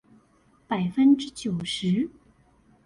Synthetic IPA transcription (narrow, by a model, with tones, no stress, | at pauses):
pa˨˩ɪfə˥nʈ͡ʂɻ̩˥t͡ɕjo˨˩ʊʂɻ̩˧˥